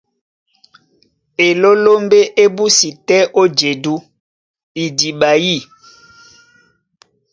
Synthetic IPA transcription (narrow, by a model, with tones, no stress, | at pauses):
e˨lo˦lo˦mbe˦ʔe˦bu˦si˨tɛ˦ʔo˦d͡ʒe˨du˦ | i˨di˨ɓa˨ji˦˨